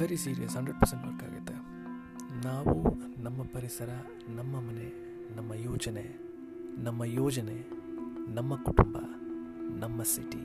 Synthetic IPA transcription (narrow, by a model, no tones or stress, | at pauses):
ɐɾisiːɾijɐ̰sɐɳɖɐɖ̚pɐɾsɐɳʈbɐkːa̰ːɡɐ̰t̪ːɐ | naːwunɐmːɐpɐɾisɐɾɐ | nɐmːɐmɐne | nɐmːɐjoːd͡ʒɐne | nɐmːɐjoːd͡ʒɐne | nɐmːɐkuʈumbɐ̰nɐmːɐsiʈi